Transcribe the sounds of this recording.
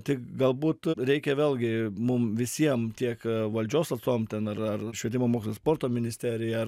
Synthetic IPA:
t̪ʲɪkɡɐlˠbuːt̪ɾʲɛɪkʲɛʋʲeːlʲˠɡʲɪmʊmʋʲɪsʲiɛmt̪ʲiɛkʋɐlʲd͡ʒʲoːsɐt̪soːmt̪ʲɛnɐrɐrʃʲʋʲɛt̪ʲɪmoːmoːkʲsʲlʲˠspoːɾt̪oːmʲɪnʲɪsʲt̪ʲæɾʲɪjɐr

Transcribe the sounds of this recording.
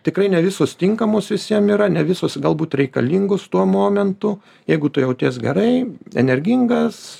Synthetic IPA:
t̪ʲɪkɾɐɪnʲɛʋʲɪsoːst̪ʲɪŋkɐmoːsʋʲɪsʲiɛmiːɾɐnʲɛʋʲɪsoːsɡɐlˠbuːt̪ɾʲɛɪkɐlʲiŋɡost̪uɔmoːmʲɛnt̪ʊ | jɛɪɡʊt̪ʊjɛʊt̪ʲeːsɡʲɛɾɐɪɛ̰nʲɛɾʲɡʲɪŋɡɐs

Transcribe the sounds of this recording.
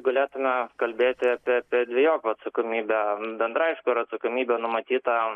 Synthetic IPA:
ɡɐlʲeːt̪ʊmʲɛkɐlʲbʲeːt̪ʲɪpʲiɛɐpʲiɛd̪ʲʋʲɛjoːkʲɐt̪sɐkomʲiːbʲɛbʲɛnd̪ɾɑːɪʃkoːɪɾɐt̪sɐkomʲiːbʲɛːnʊmɐt̪ʲiːt̪ɐ

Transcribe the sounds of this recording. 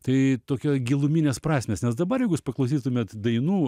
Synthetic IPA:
t̪ɐɪt̪oːkʲoːɡʲilˠʊmʲinʲeːspɾɑːsʲmʲeːsnʲɛsd̪ɐbɐɾjɛɪɡʊjɪspɐklˠɐʊs̬ʲiːt̪ʊmʲeːt̪d̪ɐɪnuː

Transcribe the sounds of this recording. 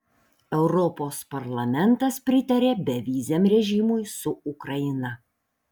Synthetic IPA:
ɛʊɾɔpoːspɐɾlˠɐmʲɛnˑt̪ɐspʲɾʲɪt̪ɐɾʲeːbʲɛʋʲiːzʲɛmɾʲɛʒʲɪmʊjsʊʊkɾɐjɪnɐ

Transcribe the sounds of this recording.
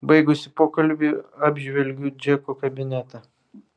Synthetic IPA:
bɐɪɡʊsʲɪpoːkɐlʲbʲiɑːbʲʒʲʋʲɛlʲɡʲuːd͡ʒʲɛkokɐbʲɪnʲæt̪ʲɛ

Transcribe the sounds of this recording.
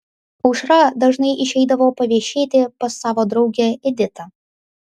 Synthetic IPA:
ʊʃɾɐd̪ɐʒnɐɪʔɪʃʲɛɪd̪ɐʋoːpɐʋʲiɛʃʲeːt̪ʲɪpɐsːɑːʋoːd̪ɾɒʊɡʲɛɛd̪ʲɪt̪ɐ

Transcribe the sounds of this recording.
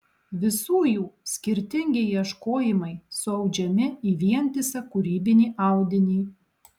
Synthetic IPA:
ʋʲɪsuːjuːsʲkʲɪɾʲt̪ʲɪŋʲɡʲejiɛʃkoːjɪmɐɪsʊɐʊd͡ʒʲɛmʲɪiːʋʲiɛnʲt̪ʲɪsʲɐkʊɾʲiːbʲɪnʲiːʔɑˑʊd̪ʲɪnʲiː

